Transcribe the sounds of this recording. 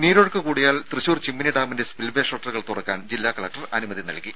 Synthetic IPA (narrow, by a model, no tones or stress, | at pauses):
niːɾoːɽkːɨkuːɽijaːlt̪rɨɕuːrt͡ɕimːiniɖaːmindespilbeːʂoːʈːɐrɣɐɭt̪urɐkːaːnd͡ʑilːaːkɐɭɐk̚ʈɐrɐnumɐðinɐ̰lkːi